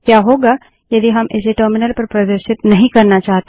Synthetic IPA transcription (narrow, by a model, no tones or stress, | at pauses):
kjaːɦoːɡa | jɐd̪iɦɐmʔɪseʈəːɾmɪnəlpɐɾpɾɐd̪əɾʃɪt̪nɐɦĩkɐɾnat͡ʃaːɦt̪e